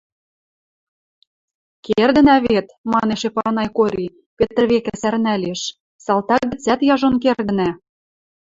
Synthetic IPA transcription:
kerd̪ə̆næβet̪mɑneʃepɑnɑjkoɾʲi | pĕt̪ə̆rβekæsærnælʲeʃ | sɑlˠt̪ɑɡɘ̆t͡sæt̪jɑʒonkerd̪ə̆næ

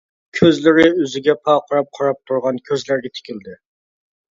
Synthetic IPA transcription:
kʲʰøzlɪɾɪøzɪɡʲɛpʰɑqʰɑɾɑp̚qʰɑɾɑp̚t̪ʰuɾʁɑnkʲʰøzlæɾɡʲɛt̪ʰɪ̥kʲɪld̪ɪ

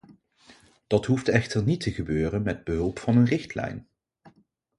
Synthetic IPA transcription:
d̥ɑtɦuftɛχtəɹnitəχəbøːrənmɛd̚bəɦɵlˠpfɑnənrɪxtlɛ̰jn

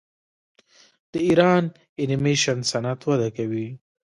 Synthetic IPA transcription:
d̪̥əiɾɑn | ɪnɪmeʃansanat̪wad̪akawi

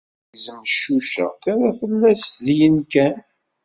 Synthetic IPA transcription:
zəmʃːuʃæ̰θaɾæfəlːæsðjənkæn

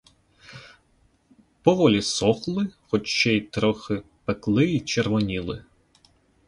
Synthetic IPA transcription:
pɔʋɔlʲisɔxlˠɪxɔt͡ʃt͡ʃɛjt̪ɾɔxɪpeklˠɪit͡ʃerʋɔnʲilˠɪ̰

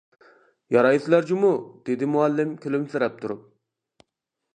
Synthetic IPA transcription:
jɑɾɑjislæɾd͡ʒimud̪̥ed̪ɪmuælːɪmkʲʰylymsɪɾɛp̚t̪ʰuɾup̚

